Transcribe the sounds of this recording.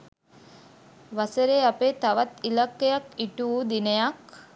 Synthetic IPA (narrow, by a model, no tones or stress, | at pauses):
ʋaseɾeapet̪aʋat̪ilakːejakiʈuːd̪inejak̚